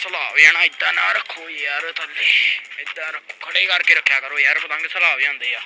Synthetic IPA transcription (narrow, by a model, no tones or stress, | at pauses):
səlaːʋɛːɽãːɪd̪ãːnaːɾəkʰːoːiːjaːɾt̪əlːeːɪd̪ãːɾəkʰːoːkʰəɽeːkəɾkeːɾəkʰːjaːkəɾoːiːaːɾpət̪ãːŋɡesəlaːʋjãːnd̪eːjaː